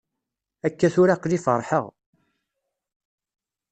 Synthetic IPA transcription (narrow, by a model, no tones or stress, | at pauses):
ækːæθʊɾaqlifəɾˤħəʁ